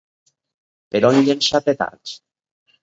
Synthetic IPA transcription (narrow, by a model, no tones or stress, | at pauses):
peɾɔnʎenʃat̪et̪a̰ɾt͡ʃ